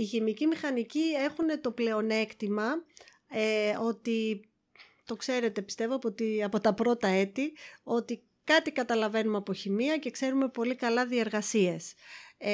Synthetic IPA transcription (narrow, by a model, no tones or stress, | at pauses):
içimicimixɐnicie̞xune̞t̪o̞ple̞o̞ne̞kt̪imɐ | eo̞t̪i | t̪o̞kse̞ɾe̞t̪e̞pi̥st̪e̞voɐpot̪iɐpo̞t̪ɐpɾo̞t̪ɐe̞t̪io̞t̪i | kɐt̪ikɐt̪ɐlɐve̞numɐpo̞çimiɐce̞kse̞ɾume̞po̞likɐlɐðie̞ɾɣɐsie̞s